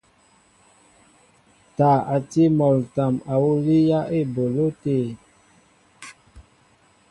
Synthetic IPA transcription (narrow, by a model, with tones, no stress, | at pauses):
ta˨a˨ti˦mɔ˨lta˨ma˨wu˦li˦ja˦ʔe˦˨bo˨lo˦te˦˨